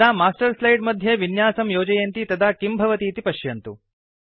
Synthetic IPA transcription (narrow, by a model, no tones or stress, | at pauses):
aːmaːsʈɐɾslɐjɖmɐd̪ʱjeʋinjaːsɐmjoːd͡ʒɐjɐnt̪it̪ɐd̪aːkimbʱɐʋɐt̪iːt̪ipɐʃjɐnt̪u